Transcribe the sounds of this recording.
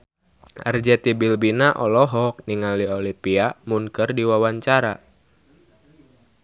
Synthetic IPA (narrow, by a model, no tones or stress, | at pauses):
ə̰rd͡ʒɛt̪ibilbinaʔɔlɔɦɔk̚niŋaliolipiamunkɨrdiwawaɲt͡ʃaɾa